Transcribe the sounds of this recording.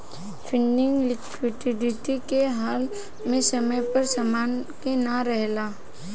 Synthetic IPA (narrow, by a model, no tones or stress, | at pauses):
fʰɪɳːɪ̃ŋɡlɪkwɪʈɪɖɪʈikeɦaːl | mẽsɐməjpɐɾsɐmaːnkenaɾɛɦlaː